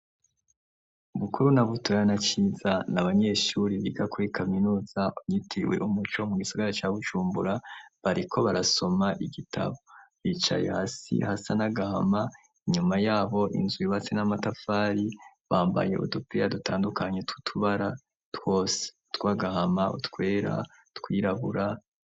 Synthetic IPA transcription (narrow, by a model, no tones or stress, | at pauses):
uβukuɾunaβutʰojanat͡ʃiːzanaβaɲe̞ʃuɾiβiɡakuɾikʰaminuːz̥aumɲitʰiwe̞̰ʔumut͡ʃo̞muɡisaɡaɾat͡ʃaβut͡ʃuːmbuɾaβaɾikʰoβaɾaso̞maʔiɡitʰa̰βo̞βiːt͡ʃa̰jḛhasḭhasanaɡaha̰ma | iɲumajaːβo̞ʔḭnzwiβat͡senamatafaːɾi | βaːmba̰je̞̰ʔo̰to̞pijadutʰaːndukaɲe̞tutʰuβaɾa | two̞ːse̥ | tkwaɡahamaʔutkwe̞ːɾa̰ | tkwiːɾaβuɾa